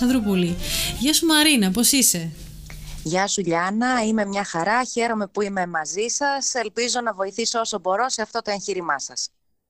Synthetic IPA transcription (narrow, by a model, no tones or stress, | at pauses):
ɐðɾupoliʝɐsumɐɾinɐp̬osise̞ | ʝɐsuʎɐnɐime̞mɲɐxɐɾɐçe̞ɾo̞me̞puime̞mɐzisɐse̞lpizo̞nɐvo̞iθiso̞so̞bo̞ɾo̞se̞ɐft̪o̞t̪o̞ençiɾimɐsɐs